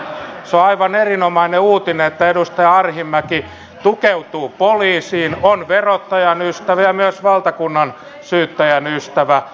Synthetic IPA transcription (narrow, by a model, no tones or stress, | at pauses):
soɑiʋɑnerinomɑineuːt̪ineet̪ːæedust̪ɑjɑɑrhimːæki | t̪ukeut̪uːpoliːsiːnonʋerot̪ːɑjɑnyst̪æʋæjɑmyøsʋɑlt̪ɑkunːɑn | syːt̪ːæjænyst̪æʋæ